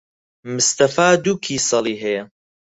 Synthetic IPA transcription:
mʊst̪ɐfaːd̪uːkʰiːsɑlˠiːɦɐjɐ

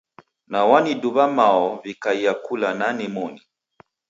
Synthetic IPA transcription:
nawaniduβamaɔvikaijakulananimɔni

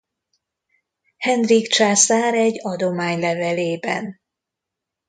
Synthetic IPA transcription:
hɛnd̪rikt͡ʃaːsaːɾɛɟːɒd̪o̞maːɲlɛvɛleːbɛ̰n

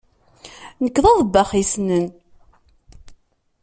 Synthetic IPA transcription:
nəkːðˤɑðˤbːaχisnən

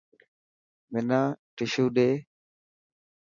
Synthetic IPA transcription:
mɪnãːʈɪʃuːɗeː

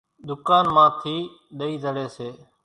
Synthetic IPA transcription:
ɗ̪ʊkaːnmãːt̪ʰiː | ɗəiːd̪ʱəɽeːseː

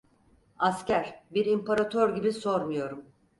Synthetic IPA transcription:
ascæɾ̥biɾimpʰaɾat̪ʰøɾɟibiso̞ɾmujo̞ɾum

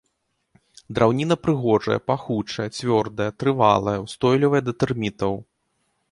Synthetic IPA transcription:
d̪ɾʔawnʲinɐpɾɨɣɔʐɐ̰jɐ̰paxut͡ʂɐjɛt͡sʲvʲɔrd̪ɐjɐt̪ɾɨva̰lˠɐjɐwst̪ɔjlʲivɐjɛd̪ɐt̪ɨrmʲit̪ɐw

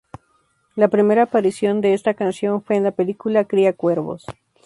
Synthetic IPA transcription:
lapɾime̞ɾaːpaɾisjo̞nd̪e̞est̪akansjo̞nfwe̞ːnlapelikulakɾiakwe̞ɾβo̞̰s

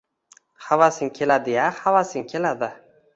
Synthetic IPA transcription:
havasɪŋkʲʰelad̪ɪjahavasɪŋkʲʰelad̪ɪ

